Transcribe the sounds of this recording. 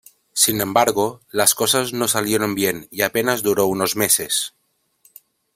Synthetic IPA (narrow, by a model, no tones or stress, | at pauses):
sinembaɾɣolaskosaznosaljeɾombjeniapenazduɾounozmeses